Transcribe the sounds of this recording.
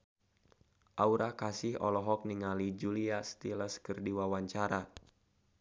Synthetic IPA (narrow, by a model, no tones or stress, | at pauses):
ʔauɾʔakasihɔ̰lɔɦɔk̚niŋalid͡ʒuliast̪iləskɨrdiwawaɲt͡ʃaɾa